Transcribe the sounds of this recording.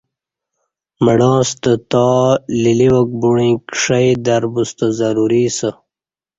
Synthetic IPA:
məɽɑːst̪ət̪ɑliliwək̚buɳĩːkʂajd̪aɾbust̪azaɾuɾisə

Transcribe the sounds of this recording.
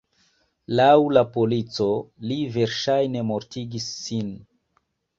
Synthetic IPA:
lawlapo̞lit͡so̞live̞ɾʃajne̞moɾtiɡisːin

